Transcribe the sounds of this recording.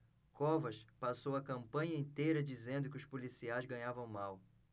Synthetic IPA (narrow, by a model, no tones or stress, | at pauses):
kɔvɐʃpasowɐkɐ̃mpɐ̃ɲɐẽnt̪ejɾɐd͡ʒizẽnd̪ʊkɪʊʃpolisiajzɡɐ̃ɲavɐ̃w̃maw